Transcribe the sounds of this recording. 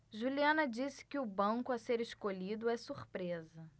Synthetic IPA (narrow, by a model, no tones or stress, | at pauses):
ʒuliɐ̃nɐd͡ʒisɪ̥kɪʊbɐ̃kʊɐseɾeʃkoʎid̪ʊɛsuɾpɾezɐ